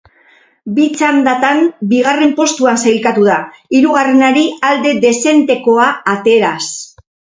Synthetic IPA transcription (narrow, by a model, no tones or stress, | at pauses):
bit͡sand̪at̪ambiɣ̞are̞mpo̞st̪uansajlkat̪uða | iɾuɣ̞are̞naɾiald̪e̞ðe̞se̞nt̪e̞ko̞aːt̪e̞ɾas